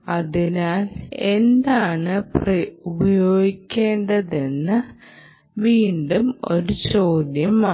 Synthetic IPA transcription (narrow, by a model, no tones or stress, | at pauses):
ɐðinaːle̞nd̪aːɳɨprɐubɐjo̞ːɡikʲːe̞ːɳɖɐðenːɨ | ʋiːɳɖumo̞ɾut͡ɕo̞ːd̪jɐma